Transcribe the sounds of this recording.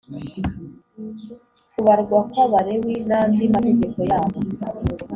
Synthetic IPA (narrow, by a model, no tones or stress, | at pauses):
kuβaɾɡwakwaβaɾewinandimate̞ɟe̞ko̞jaːβo